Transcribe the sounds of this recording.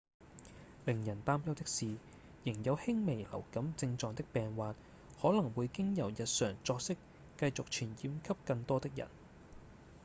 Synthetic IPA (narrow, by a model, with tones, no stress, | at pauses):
lɪ˨˩ŋjɐ˨˩nt̪aː˥mjɐ˥wt̪ɪ˥k̚siː˨ | jɪ˨˩ŋjɐ˨˧whɪ˥ŋme˨˩jlɐ̰˨˩wkɐ˨˥mt͡sɪ˧ŋt͡sɔː˨˧ŋt̪ɪ˥k̚pɛː˨ŋwaː˨t̚ | hɔː˨˥lɐ˨˩ŋwu˨˧jkɪ˥ŋjɐ˨˩wjɐ˨t̚sœː˨˩ŋt͡sɔː˧k̚sɪ˥kː | ɐ˧jt͡sʊ˨k̚t͡ʃʰyː˨˩njiː˨˥mkʰɐ˥p̚kɐ˧ŋt̪ɔː˥t̪ɪ˥k̚jɐ̰˨˩n